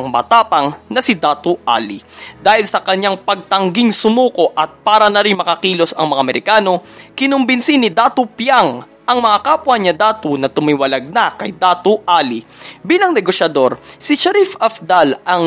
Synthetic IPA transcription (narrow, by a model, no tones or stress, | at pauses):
ŋmɐ̰t̪aːpɐŋnɐsɪd̪aːt̪oʔa̰ːlid̪aːhɪlsɐkɐɲːaŋpɐɡ̚t̪ɐŋɡiŋsʊmuːko̞ʔɐt̪̚paːɾɐnɐɾɪŋmɐkɐkiːlo̞sɐ̰ŋmɐŋaɐmɛɾɪkaːno̞kɪnʊmbɪnsinɪd̪aːt̪opjaŋ | ʔɐŋmɐŋakaːpwɐɲːɐd̪aːt̪onɐt̪ʊmɪwɐlɐɡ̚nɐkɐjd̪aːt̪oʔaːlibiːlɐŋnɛɡoʃɐd̪o̞ɾsɪʃɐɾifɐfd̪alʔɐŋ